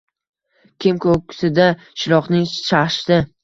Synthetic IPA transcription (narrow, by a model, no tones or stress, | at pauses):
kʲʰɪmkʰokʲːɪ̥sɪd̪a | ʃɪɾɒqnɪŋʃaχʃt̪ɪ